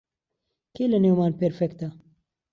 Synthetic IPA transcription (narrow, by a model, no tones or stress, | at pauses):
kelɐnewmaːnpɛɾfɛkt̪ɐ